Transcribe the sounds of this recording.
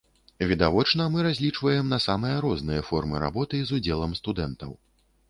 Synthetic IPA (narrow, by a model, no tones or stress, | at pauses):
vʲid̪avɔt͡ʂnɐmɨɾazʲlʲit͡ʂvɐjɛmnɐsamɨjɐɾɔznɨjɐfɔrmɨɾa̰bɔt̪ɨzud͡zʲɛlˠɐmst̪ud̪ɛnt̪ɐw